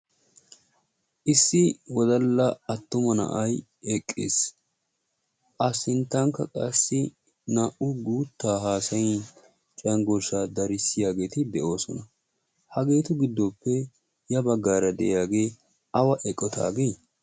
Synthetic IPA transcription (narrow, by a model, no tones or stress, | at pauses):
ʔɪsːɪwɔd̪ɐlːɐɐt̪ːʊmɐnɐ̰ʔɐj | ɛkʼːḛːs | ʔɐsɪnt̪ːɐŋkːɐkʼɐsːɪ | nɐʔʊɡuːt̪ːaːɦaːsɐjɪ | t͡ʃʼɐŋɡɔsaːd̪ɐɾɪsɪjaːɡe̞ːt̪ɪd̪ɛʔo̞ːsɔ̰nɐ | hɐɡe̞ːt̪ʊɡɪd̪ːɔpːɛ | jɐbɐɡːaːɾɐd̪ɛ̰ʔjaːɡe̞ː | ʔɐwɐʔɛkʼːɔt̪ʰa̰ːɡeː